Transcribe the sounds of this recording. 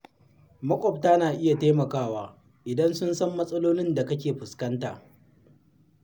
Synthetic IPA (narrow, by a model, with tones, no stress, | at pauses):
mɐ˦kʷʼɔ˨p̚taː˦naː˨ʔɪ˦ja˨teː˦mɐ˨kaː˦waː˦ | ʔɪ˨dɐ˦nsʊ˦nsɐ˦mːɐ˦sʼɐ˦loː˦nɪ˦nda˨kɐ˦kʲeː˨ɸʊ˨skɐ˦nta̰ː˨ʔ